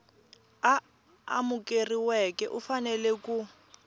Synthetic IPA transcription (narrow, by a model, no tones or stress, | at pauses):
a | a̰mukʼeriwɛkʼɛʔufanɛlɛku